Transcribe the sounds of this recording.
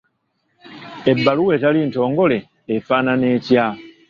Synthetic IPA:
e̞bːaluweːtalinto̞ːŋɡo̞le̞ː | faːnaneːcja

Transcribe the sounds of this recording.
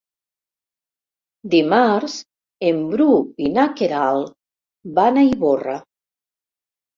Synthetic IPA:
d̪imaɾz | embɾuinakeɾal | banajβora

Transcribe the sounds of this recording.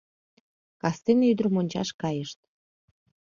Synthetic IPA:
kɑst̪enyd̪ərmonʲt͡ɕɑ̰ʃkɑjəʃt̪̚

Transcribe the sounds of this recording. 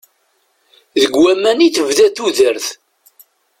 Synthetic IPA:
ðəɡwæmːæniθəvðæθuðəɾθ

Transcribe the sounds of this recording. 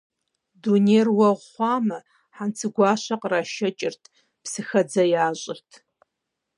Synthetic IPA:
duneːrwɐʁʷχʷɑːmɐ | ħant͡sʰɨɡʷɑːʃɐqʼraːʃɐt͡ʃʼɪrtʰ | psɨxɐd͡zɐjaːɕʼɪrtʰ

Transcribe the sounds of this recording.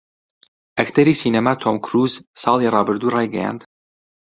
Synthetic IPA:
ʔɐkt̪ʰɐɾiːsinɐmat̪ʰomkʰɾuːzsɑːlˠirɑːbɨɾd̪urɑːjɡɐja̰ːnd̪̥

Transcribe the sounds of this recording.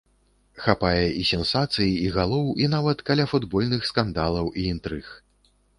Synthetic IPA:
xapajɛisʲɛnsat̪sɨjiiɣalˠɔwinavɐt̪kɐlʲafud̪bɔlʲnɨxskand̪alˠɐwʔiint̪ɾɨx

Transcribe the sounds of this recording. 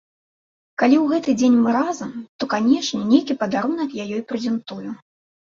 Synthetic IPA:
kalʲiwɣɛt̪ɨd͡zʲenʲmɨɾazɐmt̪ɔkanʲɛʂnʲɛnʲejkʲipɐd̪aɾunɐkjajɔjpɾɛzʲɛnt̪uju

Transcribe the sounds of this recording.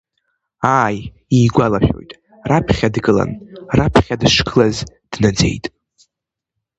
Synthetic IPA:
aːj | iːɡʷalaʃʲᶣo̞̰jtʼ | rapʰχʲadɡɨla̰nrapʰχʲadʂɡʰʼlaz | d̥nad͡ze̞̰jtʼ

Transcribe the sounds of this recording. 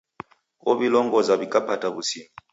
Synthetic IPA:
kɔβilɔŋɡɔzaβikʼapataβusimi

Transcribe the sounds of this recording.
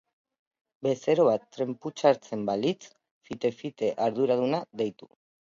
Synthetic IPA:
be̞se̞ɾo̞βat̪ːɾe̞mput͡ʃaɾt͡se̞mbalit͡s | fit̪e̞fit̪e̞ʔaɾðuɾaðunaðe̞jt̪u

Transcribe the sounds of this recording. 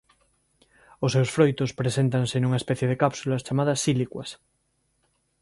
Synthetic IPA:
osːewsfɾojt̪ospɾesẽnt̪ansenuŋaespɛθjeðekapsulast͡ʃamaðɐsːilikwas

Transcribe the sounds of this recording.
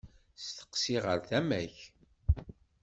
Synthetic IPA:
st̪ə̥qsiʁəɾθæmæç

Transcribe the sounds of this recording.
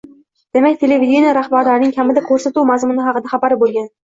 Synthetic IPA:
d̪̥e̞makʲt̪ʰe̞levid̪ʲenijaɾahbaɾlaɾɪnɪŋkʲʰamɪd̪akʰoɾsat̪uwmazmʊnɪɦɑqɨd̪aχɑpaɾɪbolˠɡʲan

